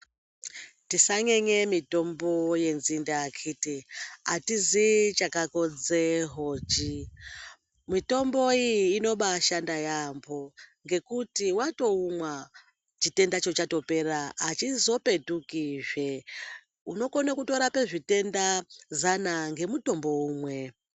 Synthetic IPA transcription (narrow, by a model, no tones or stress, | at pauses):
tisaɲe̞ɲe̞mito̞mbo̞je̞nzindaːkʰiːtiatizit͡ʃakako̞d͡zeɦo̞t͡ʃi | mito̞mbo̞iːno̞ɓaʃandajambo̞ŋɡe̞kutiwato̞umwa | t͡ʃite̞ndat͡ʃo̞t͡ʃato̞pe̞raːt͡ʃizo̞pe̞tukiʐe̞ | uno̞konakuto̞ɾape̞ʐite̞ndazanaŋɡe̞muto̞mbo̞uːmwe̞